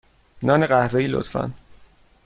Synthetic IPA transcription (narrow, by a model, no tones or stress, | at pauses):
nɒːneɣæhɾejilo̰t̪fæ̰n